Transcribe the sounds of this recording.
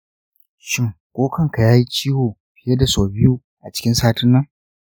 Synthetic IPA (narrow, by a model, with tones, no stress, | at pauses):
ʃɪ˦ŋkʷʼoː˦kɐ˦˨ŋka˨jaː˦ji˦t͡ʃiː˦hoː˨ | ɸɪ˨je˦da˨soː˨bɪ˦ju˦ | ʔa̰˨t͡ʃɪ̥˦kʲɪ˦nsaː˦tɪ˦nːɐ˦ŋ